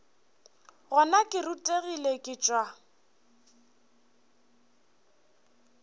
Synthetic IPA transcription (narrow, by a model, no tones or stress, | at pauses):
ɣɔnakʼɪrʊtʼeɣilekʼɪt͡ʃʼwa